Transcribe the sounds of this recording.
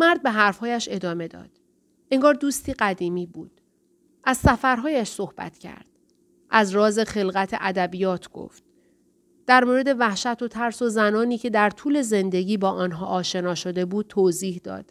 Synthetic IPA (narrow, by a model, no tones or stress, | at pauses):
mæɾd̪̚be̞ɦæɾfhɒːjæʃe̞d̪ɒːme̞d̪ɒ̰ːd̪̥ | ʔeŋɡɒːɾd̪uːst̪iːɢæd̪iːmiːbṵːd̪̥ | ʔæzsæfæɾɦɒːjæʃso̞hb̥æ̰t̪cʰæ̰ɾd̪̥ | ʔæzɾɒːze̞χe̞lɣæt̪ʰe̞̰ʔæd̪æbiːjɒːt̪ʰɡ̥o̰ft̪̚ | d̪̥æɾmoːɾe̞d̪e̞væhʃæt̪ʰo̞t̪ʰæɾso̞zænɒːniːcʰe̞d̪æɾt̪ʰuːle̞ze̞nd̪e̞ɟiːbɒːʔɒːnɦɒːʔːʃe̞nɒːʃo̞d̪e̞buːd̪̚t̪ʰoːziːhd̪ɒ̰ːd̪̥